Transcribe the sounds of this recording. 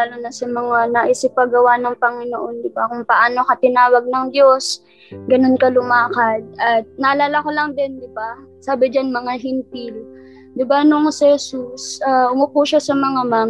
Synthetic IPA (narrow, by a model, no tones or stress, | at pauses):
aːlonɐsɐmɐŋanɐʔɪsɪp̚ːɐɡɐwanɐŋpɐŋɪnoʔo̞nd̪ɪbakʊŋpɐʔaːnokɐt̪ɪnaːwɐɡ̚nɐŋd̪jo̞s | ɡɐno̞nkɐlʊmaːkɐd̪̚ɐt̪̚nɐʔɐlaːlakolɐŋd̪ɪnd̪ɪba | saːbɪd͡ʒanmɐŋaɦɪnt̪il | d̪ɪbanoŋsɪhɛsusʔaʔʊmʊpuːʃasɐmɐŋamaː